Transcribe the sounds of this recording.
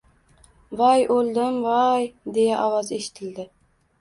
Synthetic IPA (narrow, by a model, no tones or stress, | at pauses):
vajʔold̪ɪmvajd̪e̞jaʔɒvɑze̞ʃɪ̥t̪ʰɪld̪ɪ